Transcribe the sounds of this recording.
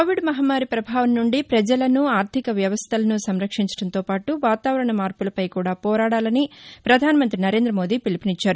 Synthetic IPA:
kkoːʋiɖmɐɦɐmːaːɾipɾɐbʱaːʋɐmnuɳɖipɾɐd͡ʒɐlɐnuaːɾt̪ʰikɐʋjɐʋɐst̪ʰɐlɐnusɐmɾɐkʂiɲt͡ʃɐ̥ɽɐnt̪o̞ːpaːʈuʋaːt̪aːʋɐɾɐɳɐmaːɾpulɐpɐjkuːɽaːpɔːɾaːɽaːlɐnipɾɐd̪ʱaːnɐmɐnt̪ɾinɐɾe̞ːnd̪ɾɐmoːd̪iːpilipinit͡ʃːaːɾu

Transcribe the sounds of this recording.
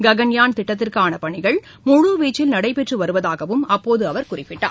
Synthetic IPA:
ɡɐɣɐnjaːnt̪ɪʈːɐt̪̬ːɪrkaːnɐpɐɳɪɣɐɭ | mʊɻuʋiːt͡ʃːɪlnɐɽɐɪpɛʈrɯʋɐɾɯʋɐðaːɣɐʋɯmɐpːoːðɯɐʋɐɾkʊrɪpːɪʈːa̰ː

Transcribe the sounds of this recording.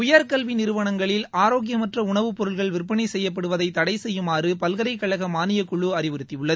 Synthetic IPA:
ʊjɐɾkɐlʋinɪɾɯʋɐɳɐŋɡɐɭɪlaːɾoːɣɪjɐmɐʈrɐʊɳɐʋɯpɔɾɯɭɣɐɭʋɪrpːɐɳiɪsɛjːɐp̬ːɐɽɯʋɐðɐɪt̪ːɐɽɐɪsɛjːɯmaːrɯpɐlɣɐɾɐɪkːɐɭɐɣɐmaːnɪjɐkːʊɭːɯɐɾɪʋɯɾɯt̪ːiʊɭːɐð

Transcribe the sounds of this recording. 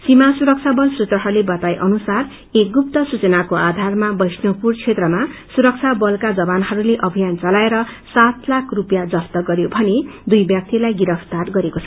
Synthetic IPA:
simasuɾʌk̚t͡sʰabʌlsut̪rʌɦʌɾulebʌt̪ajʔʌnusar | ek̚ɡup̚t̪ʌsut͡sʌnakoad̪ʱarmabʌjsnʌpurt͡sʰet̪rʌmasuɾʌk̚t͡sʰabʌlkad͡zʌbanɦʌɾuleʔʌbʱijant͡sʌlaeɾʌsat̪lakʰrupjad͡zʌst̪ʌɡʌɾjobʱʌned̪ujbjak̚t̪ilajɡiɾʌpʰt̪arɡʌɾekot͡sʰʌ

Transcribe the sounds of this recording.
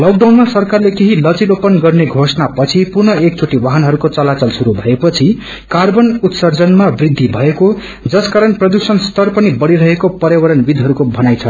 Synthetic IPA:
lok̚ɖawnmasʌrkarlekeɦilʌt͡silopʌnɡʌrneɡʱosnapʌt͡sʰipurnʌekt͡sʰoʈiwaɦʌnɦʌɾukot͡sʌlat͡sʌlsuɾubʱʌepʌt͡sʰi | karbʌnut̪sʌrd͡zʌnmabrid̪ʱːibʱʌeko | d͡zʌskaɾʌnprʌd̪usʌnst̪ʰʌrpʌnibʌɽiɾʌɦekopʌɾjawʌɾʌnbid̪ʱɦʌɾukobʱʌnajt͡sʰʌ

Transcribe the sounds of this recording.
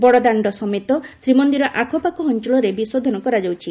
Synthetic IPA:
bɔɽɔd̪aɳɖɔsɔmet̪ɔsɾimɔnd̪iɾɔʔakʰɔpakɔɦɔnt͡ʃuɭɔɾebisod̪ʱɔnɔkɔɾad͡ʒawt͡ʃʰi

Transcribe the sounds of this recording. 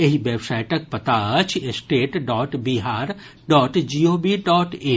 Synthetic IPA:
ɐɦiʋeːbsaːɪʈɐk̚pɐt̪aɐt͡ʃʰesʈeːʈɖɔːʈbiɦaːɾ | ɖɔːʈd͡ʒiːoːbiɖɔːʈeː

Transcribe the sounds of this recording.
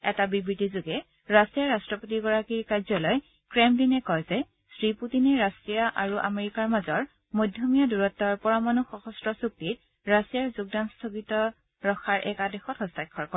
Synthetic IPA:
ɛtabibɹitizʊɡɛ | ɹasijaɹastɹɔpotiɡɔɹakiɹkajzɔlɔj | kɹemdinɛkɔjzɛ | sɹiputinɛɹasijaʔaɹuʔa̰meɹikaɹmazɔɹ | mojdʱjomijaduɹɔtːɔɹpɔɹamanuxɔxɔstɹɔsuk̚tit̚ | ɹasijaɹzʊɡ̚danstʰokitɔ | ɹɔxʰaɹʔɛ̰kadexɔthɔsajkʰːɔɹkɔ

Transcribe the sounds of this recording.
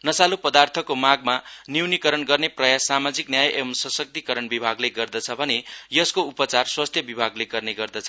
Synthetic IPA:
nʌsalupʌd̪art̪ʰʌkomaɡmaniwnikʌɾʌnɡʌrneprʌjasːamad͡ziknjajʔemsʌsʌk̚t̪ikʌɾʌnbibʱaɡleɡʌrd̪ʌt͡sʰʌbʱʌnejʌskoupʌt͡sarswast̪ʰjʌbibʱaɡleɡʌrneɡʌrd̪ʌt͡sʰʌ

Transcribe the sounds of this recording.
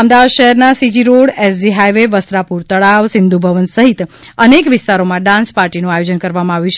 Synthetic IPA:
amd̪aʋad̪ʃəɦɛɾnasid͡ʒiɾoɽesd͡ʒiɦajʋeʋəst̪ɾapuɾt̪əɭaʋsɪnd̪ubʱəʋənsəɦit̪ənekʋɪst̪aɾomãɖãnspaɾʈinũajod͡ʒənkəɾʋamãaʋjũt͡ʃʰ

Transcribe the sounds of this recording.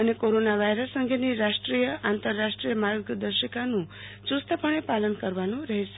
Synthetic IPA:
ənekoɾonaʋajɾəsːəŋɡʱeniɾaʂʈɾijəʔant̪əɾːaʂʈɾijəmaɾɡd̪əɾʃəkanũ | t͡ʃust̪ʰəpəɳ̃epalənkəɾʋanũɾəɦet͡ʃʰe

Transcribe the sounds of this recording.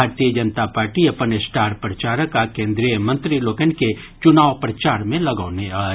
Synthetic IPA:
aːɾt̪ijəd͡ʒənt̪apaːɾʈiɐpənesʈaːɾpɾɐt͡ʃaːɾəkakẽːnd̪ɾijəmə̃nt̪ɾiloːkənke | t͡ʃʊnaːʋpɾɐt͡ʃaːɾmẽlɐɡaːneaː

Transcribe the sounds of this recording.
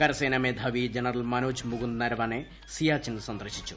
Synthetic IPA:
kɐɾɐseːnɐmeːd̪ʱɐʋid͡ʒɐnɐɾɐlmɐnuːt͡ʃmuɡund̪nɐɾʋɐne | sijaːt͡ʃinsɐnd̪ɾɐʃit͡ʃu̥

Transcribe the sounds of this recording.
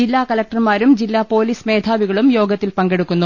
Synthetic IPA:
d͡ʑilːaːkɐlɐk̚ʈɐrmaːɾumd͡ʑilːaːpo̞ːliːsme̞ːd̪ʱaːʋiɣɐɭumjo̞ːɡɐt̪ːilpɐŋɡe̞ɽukːunːu

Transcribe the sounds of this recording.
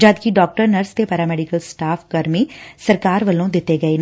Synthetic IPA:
d͡ʒaːd̪kiɖɔːk̚ʈəɾnəɾst̪epaːɾaːmɛːɖɪkəlsʈaːfkɐɾmisɐɾkaːɾʋɐlõd̪ɪt̪ːeɡɐeːn

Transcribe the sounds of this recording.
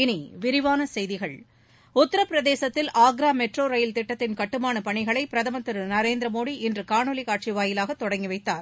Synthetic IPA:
ɪniʋɪɾɪʋaːnɐsɛjðɪɣɐɭ | ʊt̪ːɐɾɐpːɪɾɐðeːsɐt̪ːɪlaːɡɾaːmɛʈroːɾɐjɪlt̪ɪʈːɐt̪ːɪnkɐʈːɯmaːnɐpɐɳɪɣɐɭɐɪpɪɾɐðɐmɐt̪ɪɾɯnɐɾeːnd̪ɾɐmoːɽiɪndrɯkaːɳɐlikaːʈ̚t͡ʃiʋaːjɪlaːɣɐt̪ːɔɽɐŋɡɪʋɐɪt̪ːaːɾ

